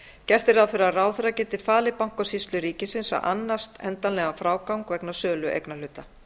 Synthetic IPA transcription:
cɛr̥t̪ɪɾaðfɪɾɪaraːwθʏɾacɛːt̪ɪ̥faːlɪpawŋ̥kɔsist̪lʏɾiːcɪsɪnsa̰ʔa̰nːast̪ɛnt̪anlɛːɣafɾaːwkawŋkvɛknasœːlʏʔḛjknal̥ʏt̪ːa

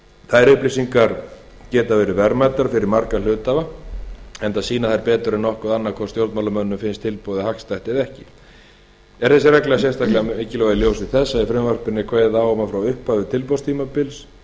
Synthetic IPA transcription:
θaɾʏhplisiŋkaɾ | cɛːt̪avɛːɾɪvɛɾmaj̪t̪aɾ̥fɪɾɪɾmaɾkal̥ʏːt̪ava | ɛnt̪asiːnaθajɾpɛːt̪ʏɾɛnːɔhkʏðanːakʰvɔ̥st̪jowlɾt̪malamœnːʏmfɪnst̪ʰɪlpowðɪhakst̪ajht̪ɪðɛhcɪ | ɛɾ̥θɛsːɪrɛklɪɣasjɛst̪ahklɛɣaɪːcɪlɔɣðɪljowsɪ̥θɛsːaifɾɛmvœr̥pɪnːɪkʰvajðawɔmafɾawʏhphavɪt̪ʰɪlpowst̪ʰiːmapɪls

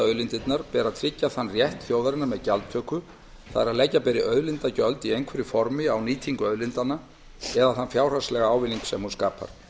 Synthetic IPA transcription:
œɥlɪnt̪ɪt̪naɾ̥pɛːɾaðt̪ʰɾɪcːaθanːrjɛht̪θjoːwðaɾɪnːamɛðcalt̪t̪ʰœːkʏ | θa̰ðɾaðlɛjcːapɛɾɪʔœːðlɪnt̪acœlt̪iejŋkʰvɛɾɪfɔɾmɪawniːt̪ʰiŋkʏœðlɪnt̪anːa | ɛðaθanfjaːwr̥aslɛɣaaːwvɪliŋksɛmhunskaːpa̰ɾ̥

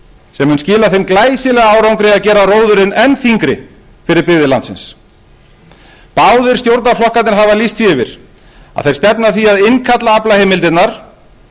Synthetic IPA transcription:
sɛmːʏnscɪːlaθejmklaːjsɪlɛɣaaːwɾawŋkɾɪaðcɛːɾaroːwðʏɾɪnɛnθiŋkɾɪ̰ | fɪɾɪɾpɪɣðɪlant̪sɪ̰ns | paːwðʏɾ̥st̪jowɾt̪naflɔhkant̪ɪɾɦavalist̪fiɪvɪ̰ɾ̥ | a̰ðθejɾ̥st̪ɛpnaθiaðɪnkʰat̪laaplaheːjmɪlt̪ɪt̪naɾ̥

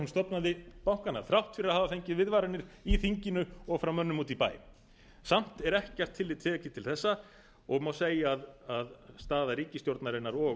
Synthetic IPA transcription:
unst̪ɔp̪naðɪpawŋ̥kanaθɾawht̪fɪɾahaːvafejɲcɪðvɪðvaːɾanɪɾ̥iθiɲcɪnʏɔɣfɾawmœnːʏmuːt̪ipa̰ːj | sam̥t̪ɛɾɛhcɛr̥t̪ʰːɪlːɪːt̪ʰːɛːɛkc̪lɪt̪ʰɪlθɛsːa | ɔɣmawseːjaːðaðst̪aːðaɾiːcɪst̪jowɾt̪naɾɪnːaɾɔː

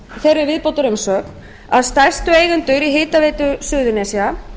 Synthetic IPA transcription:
θɛɾːɪɾvɪðpowt̪ʏɾʏmsœːk̪ | aðst̪ajr̥st̪ʏeːjɣʏnt̪ʏɾiɦeːjt̪aveːt̪ʏsʏːðʏnɛːsia

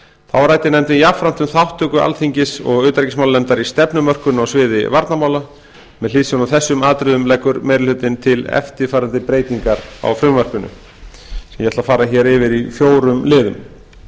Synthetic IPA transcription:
θawɾajt̪ɪnɛmt̪ɪjafɾant̪ʏmθawht̪ʏkʏʔa̰lθiɲcɪsɔ̰ɣʏːt̪ɾɛcɪsmawllɛmt̪aɾist̪ɛpnʏmœr̥kʏnawsvɪːðɪ̰vaɾt̪namaːwla | mɛðlɪːsjonawθɛsːʏmaːt̪ɾɪðʏmlɛkːʏɾmɛːɾɪlʏt̪ɪnt̪ʰɪlɛ̰ft̪ɪfaːɾant̪ɪpɾeːjt̪iŋkaɾa̰wfɾʏmvœr̥kʏnʏ̰ | sɛmjɛɛt̪lafaːɾaçɛɾɪvɪɾifjoːwɾʏmlɪːðʏm

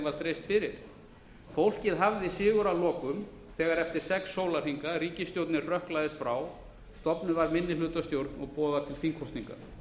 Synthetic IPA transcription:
vaɾ̥t̪ʰɾeːjst̪fɪɾɪɾ̥ | fowl̥cɪðɦavðɪsɪːɣʏɾawlɔːkʏm | θɛːɣaɾɛft̪ɪɾ̥sɛksːowlaɾ̥hiŋkaɾiːcɪst̪jowɾt̪nɪrrœhklajðɪst̪fɾaw | st̪ɔpnʏvaɾmɪnːɪlʏːt̪ast̪jowɾt̪nɔɣpɔːðat̪ʰɪlfiŋkʰɔwst̪niŋka̰

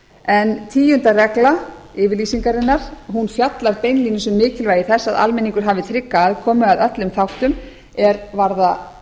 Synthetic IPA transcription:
ɛnt̪ʰiːjʏnt̪arɛkla | ɪːvɪɾliːsiŋkaɾɪnːaɾ̥ɦunfjat̪laɾpejnlinɪsɛmːɪːcɪlvaːjɪθɛsːaða̰lmɛnĩŋkʏɾ̥ɦaːvɪt̪ʰɾɪkːaːðkʰɔːmʏaðœt̪lʏmθawht̪ʏm | ɛɾvaɾða

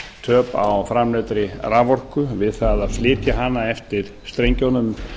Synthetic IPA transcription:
t̪ʰœːpa̰wfɾamlɛt̪ɾɪraːvɔr̥kʏvɪðθaðaðflɪːt̪jaɦanːaɛft̪ɪɾ̥st̪ɾejɲcownʏm

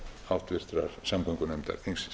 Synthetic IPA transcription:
awht̪vɪr̥t̪ɾaɾ̥samkʰɔŋkʏnɛmt̪a̰ɾ̥θiŋs

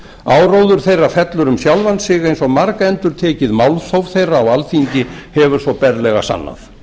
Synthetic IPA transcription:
aːwɾowðʏɾ̥θejrːafɛt̪lʏɾʏmsjawlvansɪɣejnsɔɣmaɾkaɛnt̪ʏɾ̥t̪ʰɛːcɪðmawlθowvθejraːwalθiɲcɪhɛvʏɾ̥svɔpɛɾlɛɣa̰sa̰nːa̰θ

